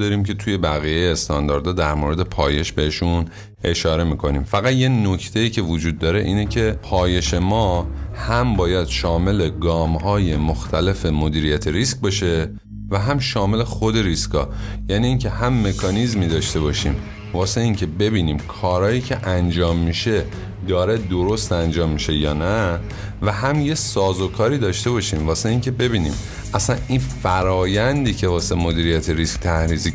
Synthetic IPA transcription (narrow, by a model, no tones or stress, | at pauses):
d̪ɒɾimcʰe̞t̪ʰuje̞bæɣijejeːst̪ɒnd̪ɒːɾd̪ɒːd̪æɾmoɾe̞d̪e̞pʰɒːje̞ʃbe̞heʃun | ʔe̞ʃɒːɾe̞miːkʰo̞niːmfæɣæt̪jeno̞cʰt̪ʰe̞iːcʰe̞vod͡ʒuːd̪̚ːɒːɾe̞ʔiːnecʰe̞pʰɒːje̞ʃe̞mɒːhæmbɒːjæd̪̥ʃɒːme̞le̞ɡɒːmɦɒːje̞moxt̪ʰæle̞fe̞mo̞d̪iːɾijæt̪ʰeɾisk̚bɒʃe̞ | væɦæmʃɒːme̞le̞xod̪e̞ɾiskɒ̰ː | jæːniːŋcʰe̞hæmːe̞kʰɒːnizmiːd̪ɒːʃt̪e̞βɒːʃḭːm | vɒːse̞iŋcʰe̞be̞biːniːmkʰɒːɾɒːjiːcʰe̞ʔænd͡ʒɒːmːiʃe̞ | d̪ɒːɾe̞d̪oɾo̞st̪ænd͡ʒɒːmːiʃejɒ̰ːnæ | væɦæmje̞sɒːzo̞kʰɒːɾiːd̪ɒːʃt̪e̞βɒʃimvɒːse̞iŋcʰe̞be̞biːnḭːm | ʔæsæninfæɾɒːjænd̪iːcʰe̞vɒːse̞mod̪iːɾijæt̪ʰeɾiskt̪ʰæhɾiːzi